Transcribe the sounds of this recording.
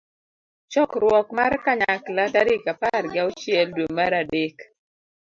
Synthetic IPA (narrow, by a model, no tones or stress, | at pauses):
t͡ʃɔkɾwɔkmarkaɲaklataɾɪkapaɾɡjaot͡ʃjɛldwoŋmaɾadek